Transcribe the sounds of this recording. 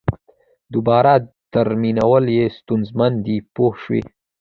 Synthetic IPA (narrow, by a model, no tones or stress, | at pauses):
d̪ʊbɑːɾa | t̪aɾminawəljest̪unzmand̪ipohʃwḭ